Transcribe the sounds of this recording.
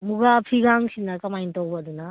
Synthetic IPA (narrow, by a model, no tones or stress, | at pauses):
muɡapʰiɡaŋsinːɐkɐmajntowbɐːdunɐ